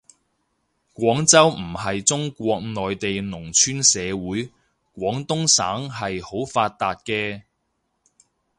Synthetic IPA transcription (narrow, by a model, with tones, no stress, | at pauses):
kʷɔː˨˥ŋt͡sɐ˥wm̩˨˩hɐ˨jt͡sʊ˥ŋkʷɔː˧k̚nɔː˨jt̪e˨jnʊ˨˩ŋt͡ʃʰyː˥nsɛː˨˧wuː˨˥j | kʷɔː˨˥ŋt̪ʊ˥ŋsa̰ː˨˥ŋɦɐ˨jho˨˥wfaː˧t̚t̪aː˧t̚kɛː˧